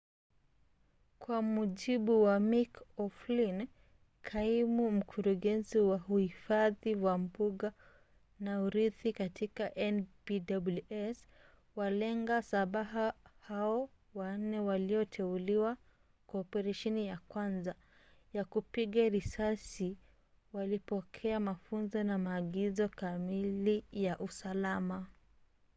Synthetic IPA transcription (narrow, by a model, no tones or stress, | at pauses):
kwamuʄiɓuwamikɔflin | kʰaimum̩kʰuɾuɠɛnziwahuhifaðiwam̩buɠa | nauɾiθikatikaʔɛnbidabuluʔɛs | walɛŋɡasaɓaɦahaɔ | wan̩nɛwaliɔtʰɛuliwa | kɔːpɛɾaʃɛnijakwanza | jakupiɠaɾisasi | walipɔkʰɛamafunzɔnamaːɠizɔkamilijaʔusalama